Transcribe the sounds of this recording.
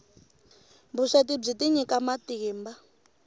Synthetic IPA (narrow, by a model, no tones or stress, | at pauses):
mbuʂatib͡ʐitiɲikamatiːmba